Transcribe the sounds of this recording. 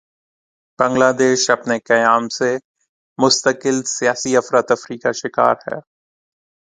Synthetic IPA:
b̥ɐ̃ŋɡlaːd̪eːʃɐpnekɐjaːmse | mʊst̪əkɪlsijaːsiɐfɾaːt̪ɐfɾiːkaʃɪka̰ːɾhɛ̰ː

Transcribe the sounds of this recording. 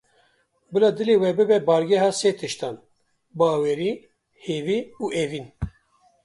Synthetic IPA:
bɨlɑd̪ɨleːwɛbɨbɛbɑːɾɡʲɛɦɑːseːt̪ʰɨʃt̪ɑːn | bɑːweːɾiː | heːviːuːʔeːviːn

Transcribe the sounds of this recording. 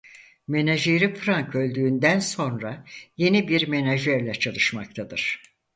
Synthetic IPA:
me̞naʒeɾipʰɯɾaŋkʰø̞lʲd̪yːnd̪ænso̞nɾaje̞nibiɾme̞naʒɛɾlʲɛt͡ʃʰalˠɯʃmak̚t̪ʰad̪ɯɾ̥

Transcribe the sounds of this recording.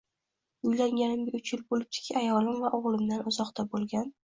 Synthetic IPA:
ʊjlaŋɡʲanɪmɡʲɪʊt͡ʃjɪlbolɪp̚t̪ʰɪ̥kʲʰiajɒlɪmvaʔoʁlˠɪmd̪anʊzɒqt̪ʰabolˠɡʲan

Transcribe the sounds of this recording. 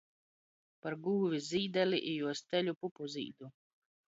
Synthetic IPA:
paɾɡuːvʲizʲiːd̪ɛlʲiʔijuɔst̪ʲɛlʲupupuzʲḭːd̪u

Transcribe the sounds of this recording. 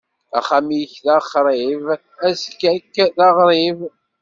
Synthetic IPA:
æ̰χamiçðɑχɾˤiv | æskːækːðɑʁɾˤiv

